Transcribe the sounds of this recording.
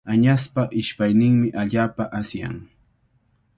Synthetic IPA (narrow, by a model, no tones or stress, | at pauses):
aɲaspaʔɪʃpajnɪŋmɪʔaʎaːpaʔasja̰ŋ